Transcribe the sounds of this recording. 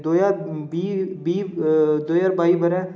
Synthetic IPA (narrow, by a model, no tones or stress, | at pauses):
d̪oːjaːɾbibiːd̪oːjaːɾbaːibəɾɛ̃ː